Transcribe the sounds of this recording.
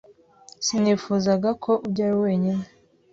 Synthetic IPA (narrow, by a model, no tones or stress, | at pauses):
siniːfuːzaɡakʰo̞ʔubɟaːɾiwe̞ːɲine